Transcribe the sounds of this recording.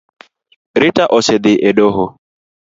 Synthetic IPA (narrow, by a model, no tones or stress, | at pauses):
ɾɪtaʔɔsɪdɪʔeɖoɦʊ